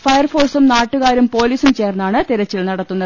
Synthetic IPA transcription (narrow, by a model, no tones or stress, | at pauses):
fɐjɐrfo̞ːrsumnaːʈːuɣaːɾumpo̞ːliːsumt͡ɕeːrnːaːɳɨt̪iɾɐt͡ɕːilnɐɽɐt̪ːunːɐðɨ